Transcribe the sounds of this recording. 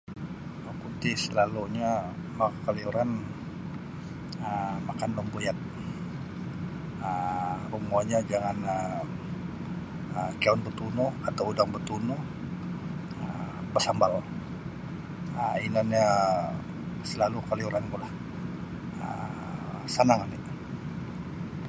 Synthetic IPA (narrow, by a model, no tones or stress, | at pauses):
əput̪isəlaluɲamakaliuɾan | əmakanbəmbojat̪̚ | ərumɔɲad͡ʒaŋanə | əkaɔnbət̪unʊhat̪awudaŋbət̪unuh | əbərsambal | əinanɲa | səlalukaliuɾanɡulah | ə̰ | sanaŋanit̪u̥